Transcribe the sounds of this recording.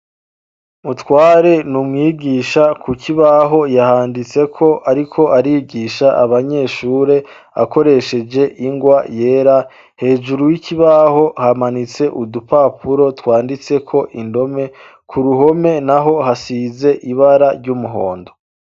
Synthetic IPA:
mutwaːɾe̞numŋiːɡiːʃakʰuciβaɦo̞jahaːndit͡se̞kʰo̞ʔaɾikʰo̞ʔaɾiːɡiːʃaʔa̰βaɲe̞ʃuːɾe̞ | a̰ko̞ɾe̞ʃe̞d͡ʒe̞ʔiŋɡwaje̞ːɾa | he̞ːʒuɾuwicʰiβaho̞hamanit͡se̞ʔudupapʰuɾo̞twaːndit͡se̞kʰo̞ʔindo̞me̞ | kʰuɾuɦo̞me̞naɦo̞hasize̞ʔiβaɾaɾɟumuɦo̞̰ːndo̞

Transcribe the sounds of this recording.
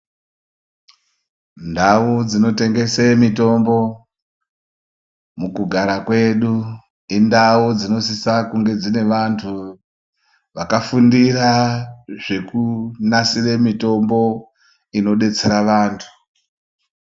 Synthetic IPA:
ndaud͡zino̞te̞ŋɡe̞semito̞mbo̞ | mukuɡʱaɾakwe̞ɗu | indaud͡zino̞sisakuŋɡe̞d͡zine̞ʋantʰu | ʋakafundiraʐe̞kunasiremito̞mbo̞ | ino̞ɗe̞t͡se̞ɾaʋaːntʰu̥

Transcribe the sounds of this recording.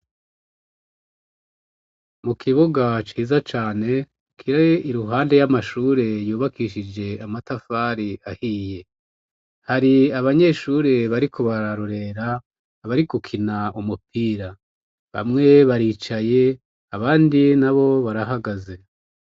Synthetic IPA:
mukʰiβuɡat͡ʃiːzat͡ʃaːne̞ | kʰiɾaiɾuɦaːnde̞jamaʃuːɾe̞juːβakiʃid͡ʒe̞amatafaɾiahiːje̞ | haɾiaβaɲe̞ːʃuːɾeβaɾikʰo̞βaɾaɾoɾe̞ɾa | βaɾikukʰinaumupiːɾa | βa̰mŋe̞βaɾiːt͡ʃaje̞ | aβaːndinaβo̞βaɾaɦaɡaze̞

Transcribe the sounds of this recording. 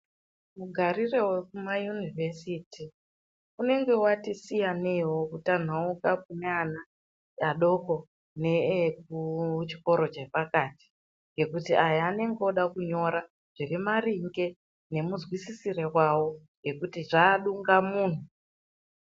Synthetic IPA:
muɡʱarire̞wekumajunivesiti | une̞ŋɡe̞watisijanewo̞kutan̤aukapuneana | aɗo̞ko̞ | nek̚ut͡ʃi̥ko̞ɾo̞t͡ʃe̞pakaːti̥ | ŋɡe̞kutiʔajaaːne̞ŋɡeoɗakuɲo̞ɾa | ʐ̥irimariŋɡe̞ | ne̞muzwisisirekwawo̞ | ŋɡe̞kutiʐaːɗuŋɡamuːn̤u

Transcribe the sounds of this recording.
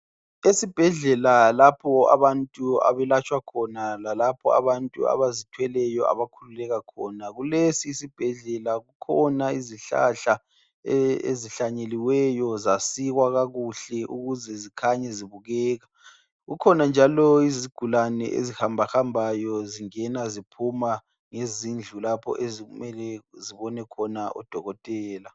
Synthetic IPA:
esib̥ʱɛɮɛlalapʰɔa̰βantʼua̰βɛlat͡ʃʰʼwakʰɔnalalapʰɔ̰a̰βantʼṵa̰βazitʰwɛlɛjɔʔa̰βakʰululɛɣakʰɔːnaɣulesiːsib̥ʱɛɮɛlaɣukʰɔnaiziɬa̰ɬa | eḛziɬaɲeliwɛjɔzasiɣwaɣaɣuɬɛʔuɣuzɛzikʰaɲɛziβuɣɛːɣa | ɣukʰɔnand͡ʒʱalɔiziɡ̥ʱulanɛ̰ʔḛzihambʱaxambʱajɔziŋɛnazipʰuma | ŋezind͡ɮʱulapʰɔ̰ʔezumɛlɛziβɔnɛkʰɔnaɔ̰d̥ʱɔɣɔtʼɛːla

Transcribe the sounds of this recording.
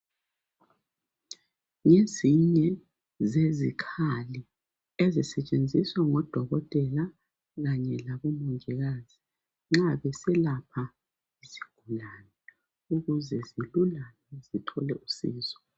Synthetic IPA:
ŋeziɲɛ | zezikʰali | ezisɛt͡ʃʼend͡zʱiswaŋɔd̥ʱɔɣɔtʼɛla | ɣaɲɛlaβɔmɔŋʱɛɣaz̥i | ŋ͡ǁaβɛsɛlapʰa | isi̥ɡ̥ʱulaːnɛ | uɣuzɛzilulalɛzitʰɔlɛʔusḭːzɔ̥

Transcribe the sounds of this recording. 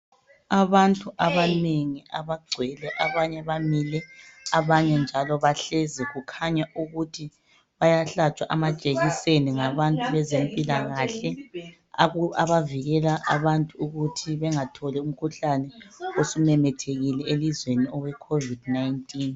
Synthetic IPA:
aβantʼuʔaβaneŋiʔaβaɡ͡ǀʱwɛlɛʔaβaɲɛβamilɛaβaɲɛnd͡ʒʱalɔβaɬɛzɛɣukʰaɲaʔuɣutʰi | βajaɬat͡ʃʼwaʔamat͡ʃʼeɣiseniŋaβantʼuβɛzempʼilaɣaɬɛ | aβaviɣɛlaʔa̰βantʼuːɣutʰiβɛŋatʰɔlɛum̩kʰuɬanɛosumɛmɛtʰeɣilɛelizweniɔwɛkʰovidnajntʼiːn

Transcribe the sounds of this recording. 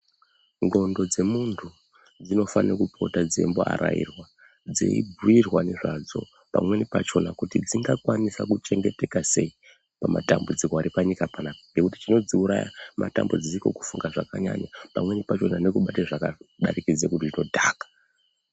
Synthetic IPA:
ŋɡo̞ndo̞d͡ze̞muntʰu | d͡zino̞fanekupʰo̞tad͡zḛmbo̞a̰ɾa̰ḭrwa | d͡zḛibuirwaneʐad͡zo̞̰ | pa̰mwe̞nipat͡ʃo̞nakutid͡ziŋɡakwanisakut͡ʃe̞ŋɡe̞te̞kase̞i | pama̰tambud͡zikoaɾipaɲikapanapaŋɡe̞kuti̥t͡ʃino̞d͡ziuɾaja̰ma̰ta̰mbud͡zisiko̞̰ku̥fuŋɡaʐakaɲa̰ɲapamwe̞nipat͡ʃo̞nane̞kuɓateʐakaɗaɾikid͡zekutiʐino̞dʱaːkḁ

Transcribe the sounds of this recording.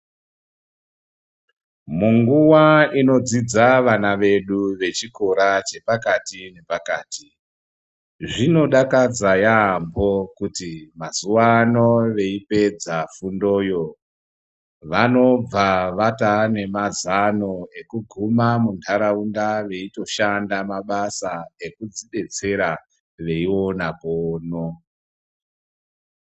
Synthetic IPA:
muŋɡuwaino̞d͡zid͡zaʋanaʋe̞ɗuʋe̞t͡ʃikoɾat͡ʃe̞pakatine̞pakaːtʰi | ʐino̞ɗakad͡zajaːmbo̞kutimazuwano̞ʋe̞ipe̞d͡zafundo̞ːjo̞ | ʋano̞b͡vaʋatane̞mazano̞e̞kuɡʱumamundʱaɾaundaʋe̞ito̞ʃandamaɓasae̞kud͡ziɗe̞t͡se̞ɾa | ʋe̞iwo̞napoːno

